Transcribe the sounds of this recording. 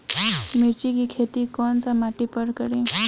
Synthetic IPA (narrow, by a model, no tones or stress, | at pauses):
miɾt͡ɕikikʰet̪ikɔnt͡samaʈipəɾkəɾẽ